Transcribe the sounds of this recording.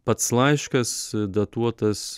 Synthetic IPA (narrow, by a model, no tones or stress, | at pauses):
pɐt̪slˠɐɪʃkɐsd̪ɐt̪uɔt̪ɐs